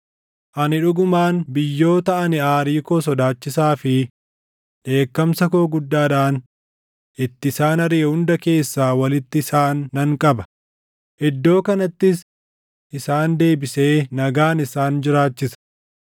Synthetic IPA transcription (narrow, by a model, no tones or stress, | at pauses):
ʔɐnɪᶑʊɡʊmaːnbɪjːo̞ːt̪ɐʔɐnɪaːɾiːkoːsɔd̪aːt͡ʃːɪsaːfɪ | ᶑe̞ːkːɐmsɐkoːɡʊd̪ːaːᶑaːn | ʔɪt̪ːɪsaːnɐɾeːhʊnd̪ɐke̞ːsːaːwɐlɪt̪ːɪsaːnːɐŋkʼɐbɐ | ʔɛd̪ːo̞ːkɐnɐt̪ːɪs | ʔɪsaːnd̪e̞ːbɪse̞ːnɐɡaːnɪsaːnd͡ʒɪɾaːt͡ʃːɪsɐ̥